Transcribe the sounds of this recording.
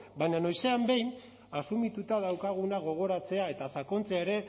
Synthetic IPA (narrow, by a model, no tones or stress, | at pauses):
bajɲano̞jse̞ambe̞jn | asumit̪ut̪að̞awkaɣ̞unaɣ̞o̞ɣ̞o̞ɾat͡se̞ae̞t̪asakont͡seaeɾe̞